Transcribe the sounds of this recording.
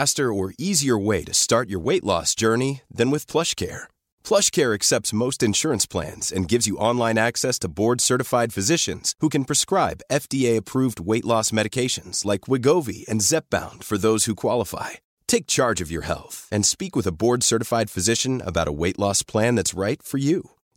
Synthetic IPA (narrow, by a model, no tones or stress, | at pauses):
æstə˞ə˞ʔiziə˞weɪɾɨstɑɹt͡ʃə˞weɪʔlɔ̰sd̥ʒ̥ɜ˞niðɨ̃nwɨð̥pʰl̥ʌʃkʰɛ̰ɹ | pʰl̥ʌʃkʰɛɹɨksɛp̚tsmoʊstɨ̃nʃʊɹɨ̃nspʰl̥æ̰̃nz̥ɨ̃nɡɪvzjɨʔɑ̃nlãɪ̃næksɛstʰəbɔɹd̥sɜ˞ɾɨfaɪd̥fɨzɪʃɨ̰̃nz̥hukɨ̃n̩pʰɹ̥ɨskɹaɪbɛfd̥ieɪɨpʰɹ̥uvd̚weɪʔˡlɔsmɛɾɨkʰeɪʃɨ̃nz̥laɪkʰwɪɡoʊvḭɨ̃nzɛp̚b̥ã̰ʊ̃nd̥fə˞ðoʊz̥hukʰw̥ɑlˠəfa̰ɪ | tʰeɪk̚t͡ʃʰɑɹd͡ʒʌvjə̰˞hɛ̰lˠθɨ̃nspikwɨðəbɔɹd̥sɜ˞ɾɨfaɪd̥fɨzɪʃɨ̃nə̰baʊɾə̰weɪʔˡlɔspʰl̥æ̃nðætsɹaɪtfə˞jʉ